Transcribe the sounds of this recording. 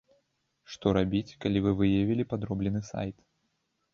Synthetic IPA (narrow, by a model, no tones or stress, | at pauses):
ʂt̪ɔɾabʲit͡sʲkalʲivɨvɨjavʲilʲipad̪ɾɔblʲɛnɨsa̰jt̪